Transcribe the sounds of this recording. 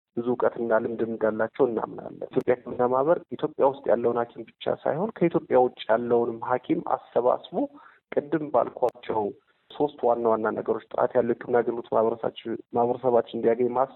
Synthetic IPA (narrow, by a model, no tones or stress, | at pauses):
b̥ɨzukʼət̪ɨnːalɨmd̪ɨmɨnd̪alːat͡ʃːɛwɨnːa̰mna̰lːə̰t̪jo̞pʼjakʰɨmɨnːamahβəɾʔit̪ʰjo̞pʼjawʊst̪ʼja̰lːəwnhakʰimbɨt͡ʃːa̰sa̰jho̞nkʰəit̪ʰjo̞pʼːjawʊt͡ʃʼːjalːəwnɨmɦakʰima̰sːəβa̰sbo | kʼɨd̪ːɨmba̰lkʰʷat͡ʃːɛw | so̞st̪wanːawanːanə̰ɡəɾo̞t͡ʃːt̪ʼa̰t̪ʰjalːəwkʰːɨmnaɡənot̪maβɾəsa̰maβɾəsəβat͡ʃːɨnd̪ijaɡəɲmas